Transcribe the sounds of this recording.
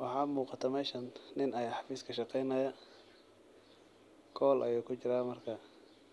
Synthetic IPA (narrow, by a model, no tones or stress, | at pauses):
wɑħɑːmuːqɑt̪ʰɐmɛːʃɐnnɪnɐjħɑfiːskʰɐʃɑqɛjnɐjɐ | kʰɔːlʔɐ̰juːkʰʊt͡ʃɪɾaːmɐrkʰɐ